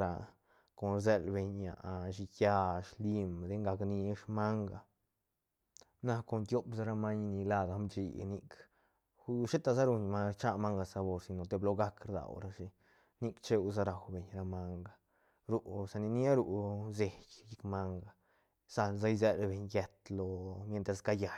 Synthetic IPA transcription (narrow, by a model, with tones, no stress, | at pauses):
ɾa˧ | ko˨nɾze˧lbe˧ɲja̰˨ʃi˧kja˧ʃli˧md̪e˧ŋɡa˧kni˧ʂma˦ŋɡa˨ | na˧ko˧nt̪jo˦psa˧ɾa˧ma˦ɲ˧ni˧la˦˧d̪a˧˦mt͡ʃḭ˧˨ni˦˧k | u˦ʃe˦t̪a˧za˦ɾu˧ɲma˧t͡ʃa˦ma˦ŋɡa˧sa˧bo˧ɾsi˧no˨t̪e˧blo˧ɡa˦kɾd̪a̰˨wɾa˧ʃi˧ | ni˧kt͡ʃe˦u˧z̬a˦ɾa˨wbe˨ɲɾa˧ma˧ŋɡa˨ | ɾu˨˧ʔsa˧ni˧ni˦a˦ɾu˧ze˧˨kji˦kma˦ŋɡa˨ | z̥a˧lza˦jze˧ɾe˧be˨ɲje˧t̪lo˧mje˧nt̪ɾe˧˨sɡa˦ja˨